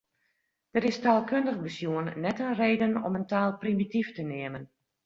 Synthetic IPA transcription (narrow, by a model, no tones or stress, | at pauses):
d̥əɾɪstaːlˠkøndəxbəsjuənnɛtənreːdənɔ̰məntaːlˠprimitiftənɪəmən